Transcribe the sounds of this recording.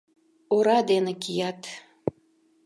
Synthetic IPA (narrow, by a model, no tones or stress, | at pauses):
oɾɑd̪enekijɑt̪